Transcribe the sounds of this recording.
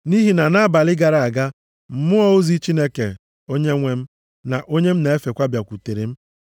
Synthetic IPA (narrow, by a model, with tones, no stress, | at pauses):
ni˦ɦi˨na˨na˦ba˨lɪ˦ɡa˨ɾa˨a˨ɡa˦ | m̩˨mʊ˦ɔ˦o˦zi˦t͡ʃi˦ne˦kḛ˨ | o˦ɲe˦ŋʷe˦m̩˦ | na˨ʔo˦ɲe˦m̩˦na˨e˦fe˨kʷa˦bja˨kʷu˨te˨ɾe˨m̩˦